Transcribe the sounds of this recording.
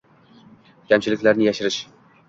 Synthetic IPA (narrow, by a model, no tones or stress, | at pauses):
kʲʰamt͡ʃʰɪlɪkʲlaɾnɪjaʃɪɾɪʃ